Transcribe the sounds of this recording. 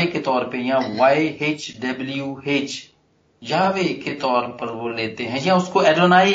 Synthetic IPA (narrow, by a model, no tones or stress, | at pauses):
eket̪ɔːɾpejãːʋaːeeːt͡ʃɖəbljuːeːt͡ʃ | jɐɦãːʋeket̪ɔːɾpəɾoleːt̪eɦɛ̃jãːʊskoɛːɖonaː